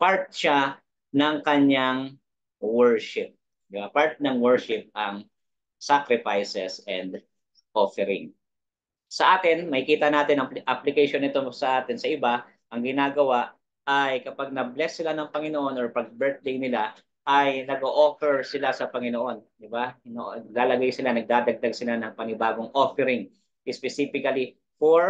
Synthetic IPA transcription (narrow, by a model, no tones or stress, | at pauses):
paɹt̪̚ʃa | nɐŋkɐɲaŋ | wɛɹʃɪp̚ | d̪ɪbapaɹt̪̚nɐŋwɛɹʃɪp̚ɐŋ | sakɾɪfajsɛsɛnd̪ | ʔofɛɾɪ̰ŋ | sɐʔaːt̪ɪnmɐhɪkiːt̪ɐnaːt̪ɪnɐʔɐplɪkɐjʃonɪt̪osɐʔaːt̪ɪnsɐʔɪba | ʔɐŋɡɪnaːɡɐwaʔ | ɐjkɐpaɡ̚nɐblɛsːɪlanɐŋpɐŋɪnoʔo̞nɔɹpɐɡ̚bɛɹt̪̚lɪŋnɪla | ʔɐjnɐɡoʔofɛɹsɪlasɐpɐŋɪnoʔo̞nd̪ɪbaɪnoʔɡlaːlɐɡajsɪlanɐɡ̚d̪aːd̪ɐɡ̚d̪ɐɡsɪlanɐŋpɐŋɪbaːɡo̞ŋʔofɛɾɪŋ | ʔɪspɛsiːfɪkɐli | foɹ